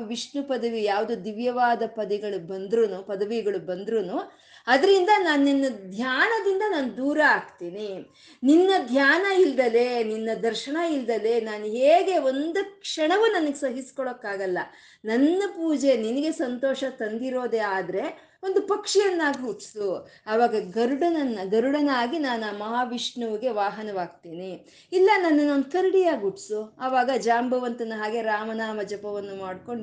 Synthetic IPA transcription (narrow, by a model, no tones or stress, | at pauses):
ʋiʂɳnupɐd̪ɐʋijaːʋd̪ud̪iʋjɐʋaːd̪ɐpɐd̪ɛɡɐɭubɐnd̪ɾuːnupɐd̪ɐʋiɡɐɭubɐnd̪ɾunu | ɐd̪ɐɾind̪ɐnaːnːinːɐd̪ʱjaːnɐd̪ind̪ɐnaːnud̪uːɾɐaːɡt̪iːni | ninːɐd̪ʱjaːnɐild̪ɐleninːɐd̪ɐɾʃɐɳɐild̪ɐle̞naːnuɦeːɡe̞o̞nd̪ukʂɐɳɐʋunɐnɐɡesɐɦiskɔɭokːaːɡɐlːɐ | nɐnːɐpuːd͡ʒe̞ninɐɡe̞sɐnt̪ɔːʃɐt̪ɐnd̪iɾo̞ːd̪eaːd̪ɐɾe̞ | ond̪upɐkʂijɐnːaːɡiuʈsu | ɐʋaːɡɐɡɐɾuɽɐnɐnːɐɡɐɾuɽɐnaːɡinaːnuaːmɐɦaːʋiʂɳɐʋɐɡe̞ʋaːɦɐnɐʋaːɡ̚t̪eːni | ilːɐnɐnːɐnond̪ukɐɾiɽijaːɡuʈsuɐʋaːɡɐd͡ʒaːmbʱɐʋɐnt̪ɐnːɐɦaːɡe̞ɾaːmɐnaːmɐd͡ʒɐpɐʋɐnːumaːɖko̞ɳ